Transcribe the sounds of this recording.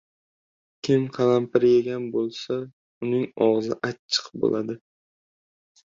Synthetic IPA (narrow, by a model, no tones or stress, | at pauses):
kʲʰɪmqʰɑlampɪɾjeɡʲanbolˠsa | ʊnɪŋɒʁzɪʔat͡ʃʰːɨ̥qbo̰lʔad̪ɪ